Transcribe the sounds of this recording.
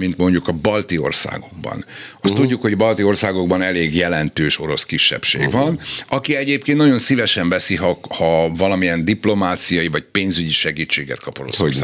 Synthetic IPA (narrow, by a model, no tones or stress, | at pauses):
mint̪mo̞ɲɟukɒbɒlt̪io̰rsa̰ːɡo̞ɡ̚bɒ̰nɒst̪uɟːukho̞ɟbɒlt̪io̞rsaːɡo̞ɡ̚bɒnɛleːɡjɛlɛnt̪øːʃo̞ɾo̞skiʃːɛ̰pʃḛːɡvɒnɒkiɛɟeːp̚keːnnɒjo̞nsivɛʃɛɱvɛsiɦɒhɒvɒlɒmijɛnd̪iplo̞maːt̪sijɒjivɒc̚peːnzyɟiʃɛɡiːt͡ʃːeːɡɛ̰t̪kɒpoɾo̰sosa